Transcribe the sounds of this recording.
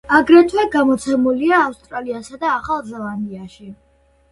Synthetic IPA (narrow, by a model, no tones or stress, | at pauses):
aɡɾɛt̪ʰwɛɡamɔt̪sʰɛmuliaːfst̪ʼɾaliasad̪aːχalˠzɛlˠand̪iaʃi